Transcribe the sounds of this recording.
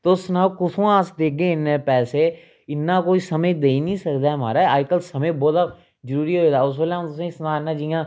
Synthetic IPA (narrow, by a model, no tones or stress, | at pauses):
t̪osnaːkʊt̪ʰõːaːsd̪eːɡeːɪnːeːpɛːseː | ɪnːãːkoːiːsəməjd̪eːinĩːsəkd̪aːɦma̰ːɾaːaːjkəlsəməbɔːd̪aː | d͡ʒəɾuːɾiɦoːed̪aːʊs̬ʋəlãt̪ʊsẽːsnãːɪnːãːd͡ʒɪjãː